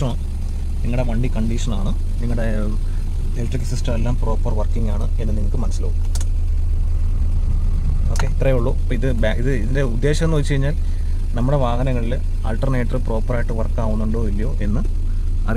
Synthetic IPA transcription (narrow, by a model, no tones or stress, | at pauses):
ɐmɐ | niŋːɐɽe̞ʋɐɳɖikɐɳɖiʂɐna̰ːɳɨ | niŋːɐɽe̞ | elʈrikːɐsisʈɐmelːaːmpro̞ːpːɐrʋɐrkːiŋːaːɳɨ̰enːɨniŋːɐɭkːɨmɐnɐsilo̰ːku | o̞ːkːe̞it̪rɐjuɭːoːpiðɨbaiðɨiðinde̞ud̪ːe̞ːɕɐmenːuʋɐt͡ɕːt͡ɕe̞jiɲːaːl | nɐmːuɽe̞ʋaːɣɐnɐŋːɐɭil | a̰ːlʈːɐrne̞ːʈrpro̞ːpːɐraːjiʈːɨʋɐrkːaːʋunːuɳɖo̞ːilːijo̞ːʔenːɨ | ɐ̰r